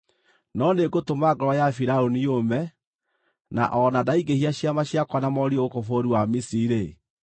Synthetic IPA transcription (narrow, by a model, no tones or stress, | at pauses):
nɔneɡotomaɡɔɾɔjafiɾaonijomɛ | na̰ʔɔnadaiɡehiaɕjamaɕjakwanamɔɾiookofoɾuwamisiɾe